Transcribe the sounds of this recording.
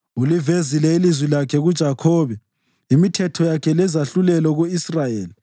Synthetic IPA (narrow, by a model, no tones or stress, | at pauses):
ulivezilɛilizwilakʰɛɣud̥ʒ̥ʱakʰɔːβɛ | imitʰɛtʰɔjakʰɛlɛzaɬulɛlɔɣuisrajeːli